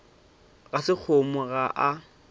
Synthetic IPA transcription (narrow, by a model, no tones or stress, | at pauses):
ɣasɪk͡xʰʊmʊɣaʔa